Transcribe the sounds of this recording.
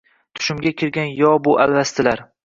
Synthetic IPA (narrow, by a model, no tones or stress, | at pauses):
t̪ʰʊ̥ʃɪmɡʲakʲʰɪɾɡʲanjɒbʊʔa̰lvast̪ʰɪlaɾ